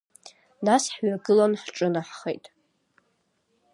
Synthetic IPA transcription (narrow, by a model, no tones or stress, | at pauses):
nasħɥaɡɨlanħʈ͡ʂʼɨnaħχejtʼ